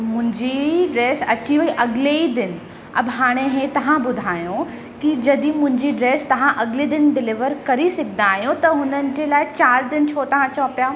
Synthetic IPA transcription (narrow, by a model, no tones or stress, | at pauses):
mʊ̃ɦɪ̃ɲd͡ʑiɖɾeːsɐt͡ɕioiʔɐɡleid̪ɪn̆ | ɐ̰bɦaːɽ̃eɦeːt̪ɐʋãbʊd̪ʱaːjõ | kid͡ʑɐd̪ĩmʊ̃ɦɪ̃ɲd͡ʑiɖɾeːst̪ɐʋ̤ãʔɐɡled̪ɪnɖɪlɪʋəɾkɐɾisɐkʰɪnaːɦijõt̪ɐɦʊnənɪ̆d͡ʑeːlaːɪt͡ɕaːɾd̪ɪnt͡ɕʰot̪ɐʋ̤ãt͡ɕɔːpjaː